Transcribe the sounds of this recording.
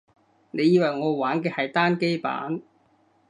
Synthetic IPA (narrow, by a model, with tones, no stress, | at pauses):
ne˨˧jiː˧wɐ˨jŋɔː˨˧waː˨˥nkɛː˧hɐ˨jt̪aː˥nke˥jpa̰ː˨˥n